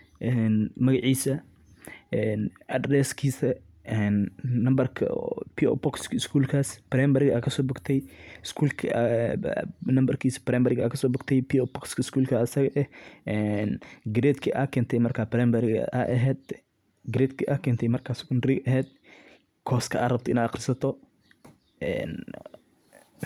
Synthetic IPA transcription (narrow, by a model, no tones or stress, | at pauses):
ʔɛnmɐɣɐʕiːsɐ | ɛnʔɐd̪ɾɛskʰiːsɐ | ʔɛnːɐmbɐrkʰɐ̰piɔ̰pɔkskɪskʰuːlkʰaːsbɾɛmbɐɾɡakʰɐsɔːbʊɡt̪ʰɛjɪskʰuːlkʰ | nɐmbɐrkʰiːsɐ̥bɾɛmbɐɾɪɡaːkʰɐsɔːbʊɡt̪ʰɛjpiɔpɔkskʰɪskʰuːlkʰɐːsɐɣɐʔɛɛnɡɪɾɛːt̪kʰiʔakʰɛːnt̪ʰɛjmɐrkʰapɾɛmbɐɾɡɐ̰ʔa̰ʔɐɦɛːd̪̚ | ɡɪɾɛt̪kʰiʔakʰɛːnt̪ʰɛjmɐrkʰaːsɪɡʊnd̪ɾiɡʔɐɦɛːd̪̚ | kʰɔːskʰɐʔːɾɐbt̪ɪnaqɪɾsɐt̪ʰɔ | ɛ̰n